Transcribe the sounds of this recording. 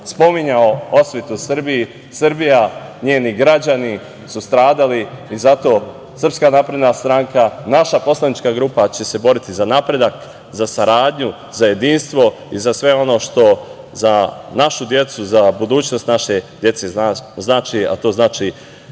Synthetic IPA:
spo̞miɲaoo̞sʋʲet̪usrbiji | sɨrbijaɲe̞ːniɡɾad͡ʑani | sust̪ɾaːd̪aliizat̪o̞ː | sər̩pskanaːpɾed̪nast̪ɾaŋkanaʃapo̞slanit͡ʃkaɡɾuːpat͡ɕe̞se̞bo̞ɾit̪izanapɾe̞d̪ak | zasaɾaːd̪ɲu | zaje̞d̪iːnst̪ʋo̞ | izasʋe̞o̞no̞ːʃt̪o̞ | zanaʃud̪je̞t̪suzabud̪uːt͡ɕno̞st̪naʃe̞d̪je̞t̪se̞znaːt͡ʃia̰t̪o̞ːznaːt͡ʃi

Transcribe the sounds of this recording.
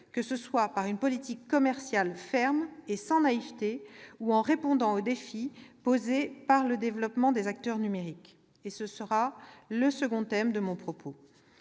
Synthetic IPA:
kəsəswapaʁynpɔlit̪ikːɔmɛʁsjalfɛʁmesɑ̃naivt̪euɑ̃ʁepɔ̃d̪ɑ̃od̪efipozepaʁləd̪evlɔpmɑ̃d̪ezak̚t̪œʁnymeʁik | esəsəʁaləsəɡɔ̃t̪ɛmd̪əmɔ̃pχɔpʰo

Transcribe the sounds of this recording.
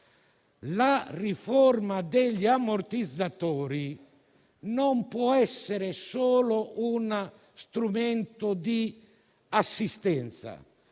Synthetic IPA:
larifɔrmad̪eʎːiamoɾt̪id̪zːat̪ɔːɾi | nɔmpwɔɛsːɛɾesɔːlouna | st̪ɾumɛnt̪od̪i | asːist̪ɛnt̪sa̰

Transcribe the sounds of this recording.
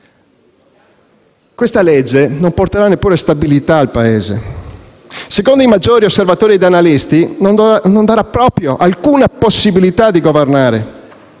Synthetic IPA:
kwest̪aled͡ʒːenomport̪eɾanːepːuːɾest̪abilit̪aːlpaeːzḛ | sekond̪oimad͡ʒːoːɾiosːervat̪oːɾiɛd̪analist̪inond̪aɾapːɾɔːpɾjoʔalkuːnaposːibilit̪ad̪ːiɡovernaːɾḛ

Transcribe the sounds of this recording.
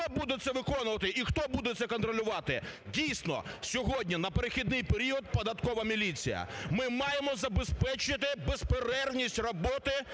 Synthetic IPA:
ɔbud̪ɛt̪sɛʋɪkɔnʊʋɐt̪ɪʔixt̪ɔbud̪ɛt̪sɛkɔnt̪ɾɔlʲʊʋɑt̪ɪdʲijsʲnɔ̰sʲɔɦɔdʲnʲinɐpeɾexʲid̪nɪjpeɾʲiɔd̪̚pɔd̪ɐt̪kɔʋɐmʲilʲit͡sʲḭjɐ̰mɪmɑjemɔzɐbespɛt͡ʃɪt̪ɪbespeɾɛrwnʲisʲtʲrɔbɔt̪ɪ

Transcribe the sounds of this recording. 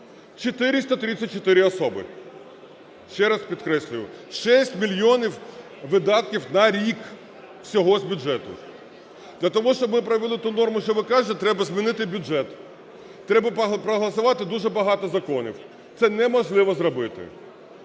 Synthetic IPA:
t͡ʃɔt̪ɪɾʲɪst̪ɐt̪ɾʲɪt͡sʲːɐt̚ʲt͡ʃːɔt̪ɪɾʲɪɔsɔbɪ̰ | ʃt͡ʃɛɾɐspʲid̪kɾɛsʲlʲʊjʊʃɛsʲtʲmʲilʲjɔnʲiw | ʋɪd̪ɑt̪̚kʲiwnɐɾʲik | w̥sʲɔɦɔzʲbʲuʒɛt̪ʊ̰ | d̪̥lʲɐt̪ɔɦɔʃt͡ʃɔbmɪpɾɐʋʲɪlˠɪt̪unɔrmʊʃt͡ʃɔʋɪkɑʒɪt̪ɛt̪ɾɛbɐzmʲinɪt̪ɪbʲʊʒɛt̪ | t̪ːɾɛbɐppɾɔɦlˠɐsʊʋɑt̪ɪd̪uʒɛbɐɦɑt̪ɔzɐkɔnʲḭw | t̪sɛnɛmɔʒlˠɪʋɔzɾɔbɪt̪ɪ̰

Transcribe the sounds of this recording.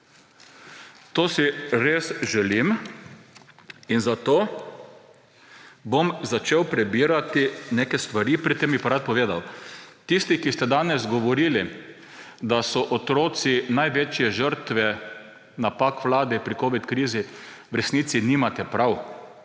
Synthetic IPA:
t̪oːsiɾeːsʒɛlim | inzat̪oː | bomzat͡ʃeːwpɾɛbiːɾat̪inekɛst̪ʋaɾiːpɾit̪ːembipaɾat̪̚pɔʋeːd̪awt̪ist̪ikist̪ɛd̪aːnɛzɡɔʋɔɾiːli | d̪asɔʔɔt̪ɾoːsinajʋeːt͡ʃjɛʒəɾt̪ʋɛ | napakʋlaːd̪ɛpɾikoːʋit̪kɾiːziwɾɛsniːt̪siniːmat̪ɛpɾaw

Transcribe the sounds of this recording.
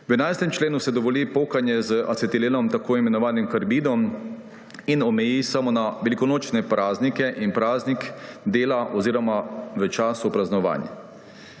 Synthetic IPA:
wɛnajst̪ɛmt͡ʃleːnusɛd̪ɔʋɔliːpoːkanjɛzəʔat͡s̪ɛt̪ileːnɔmt̪akoːimɛnɔʋaːnimkaɾbiːd̪ɔm | inɔmɛjisamɔnaʋɛlikɔnoːt͡ʃnɛpɾaːznikɛʔinpɾaːznikd̪eːlaʔɔziːɾɔmaʋət͡ʃaːsupɾaznɔʋa̰ːnja̰

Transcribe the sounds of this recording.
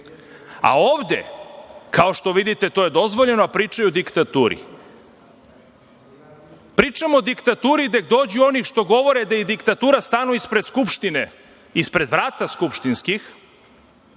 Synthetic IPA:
a̰oːʋd̪ḛkʰao̞ʃt̪o̞ʋid̪it̪e̞t̪oje̞d̪o̞zʋoʎe̞noapɾiːt͡ʂajud̪ikt̪at̪uːɾḭ | pɾiːt͡ʂamod̪ikt̪at̪uːɾid̪eɡ̚d̪o̞ːd͡ʑuo̞nixʃt̪o̞ɡo̞ʋo̞ɾed̪ajed̪ikt̪at̪uːɾast̪aːnuispɾed̪skupʃt̪ine | ispɾe̞d̪ʋɾaːt̪askupʃt̪inskix

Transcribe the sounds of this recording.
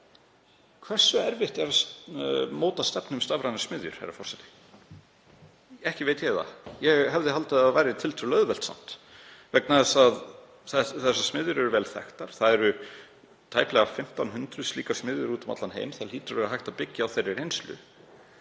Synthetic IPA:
kʰv̥ɛr̥sːʏɛɾvɪht̪ɛɾas | moːwt̪ḁst̪ɛpnʏmst̪avɾajnɪ̥smɪðjʏ̰ɾ̥ha̰ɾa̰fɔrsɛt̪ɪ̥ | ɛhcɪveːjt̪jɛɣða̰jɛɣɦɛvðɪɦalt̪ɪðaðvajɾɪt̪ʰɪlt̪ʰɾʏlœðvɛlt̪sa̰n̥t̪vɛknaðɛsað | θɛθɛs̬ːḁsmɪðjʏɾɛɾʏvɛːlθɛ̰xt̪aɾ̥θaðɛɾʏ | t̪ʰaːjplɛɣafɪm̥t̪anɦʏnt̪ɾʏðsliːkasmɪðjʏɾuːt̪ɔmat̪lanɦḛjmθalhiːt̪ʏɾvɛɾaɦajht̪apɪcːɪawθejrːɪɾejnslʏ̰

